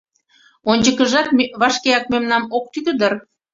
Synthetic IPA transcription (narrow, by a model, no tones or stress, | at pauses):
onʲd͡ʑəkəʒɑt̪mβɑʃkeɑk̚memnɑmok̚t̪ykəd̪ər